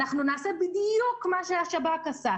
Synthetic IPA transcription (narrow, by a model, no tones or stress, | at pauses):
aχnunaːse̞bid̪jukmaʃeaʃabakasa